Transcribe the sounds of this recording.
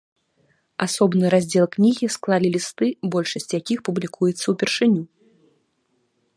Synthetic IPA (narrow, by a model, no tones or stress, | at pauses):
asɔbnɨɾazʲd͡zʲɛlˠknʲiɣʲisklˠalʲilʲist̪ɨbɔlʲʂɐsʲt͡sʲjakʲixpublʲikʰujɛt̪sːɐwpʲɛrʂɨnʲu